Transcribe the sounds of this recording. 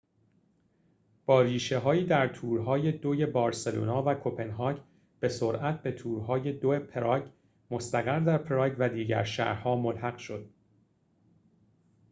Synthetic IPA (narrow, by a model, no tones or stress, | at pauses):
b̥ɒːɾiːʃe̞ɦɒːiːd̪æɾt̪ʰuːɾɦɒːje̞d̪oje̞bɒːɾse̞lo̰ːnɒːvækʰo̞pʰe̞nɦɒːc | b̥e̞so̞ɾʔæt̪̚ʰbe̞t̪ʰuːɾɦɒːje̞d̪oepʰeɾɒɟ | mo̞st̪æɣæɾd̪æɾpʰeɾɒːɟvæd̪iːɟæ̰ɾʃæ̰ɾhɒːmolhæɣ̥ʃo̞d̪̥